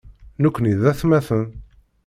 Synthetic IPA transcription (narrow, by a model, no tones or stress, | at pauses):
nukʷːniðæθmæθən